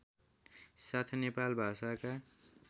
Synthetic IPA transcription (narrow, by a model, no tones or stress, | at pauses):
sat̪ʰnepalbʱasaka